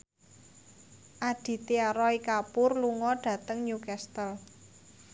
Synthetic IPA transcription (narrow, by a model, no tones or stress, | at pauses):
ʔaɖ̥i̤t̪iaɾɔikapʊrluŋɔɖ̥ä̤t̪əŋɲukɛst̪əl